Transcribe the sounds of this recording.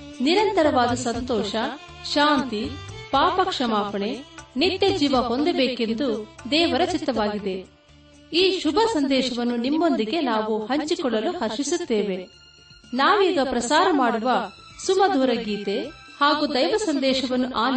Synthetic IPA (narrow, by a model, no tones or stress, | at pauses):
niɾɐnt̪ɐɾɐʋaːd̪ɐsɐnt̪ɔːʃɐ | ʃaːnt̪ipaːpɐkʂɐmaːpɐɳe̞nit̪jɐd͡ʒiːʋɐɦond̪ebeːke̞nd̪ud̪ɛːʋɐɾɐt͡ʃit̪ːɐʋaːɡid̪e̞ | iːʃubʱɐsɐnd̪ɛːʃɐʋɐnːunimːo̞nd̪iɡe̞naːʋuhɐɲt͡ʃikɔɭːɐluhɐɾʃisut̪ːeːʋe̞ | naːʋiːɡɐpɾɐsaːɾɐmaːɽuʋɐ | sumɐd̪ʱuːɾɐɡiːt̪e̞haːɡuːd̪ɐjʋɐsɐnd̪ɛːʃɐʋɐnːuʔaːli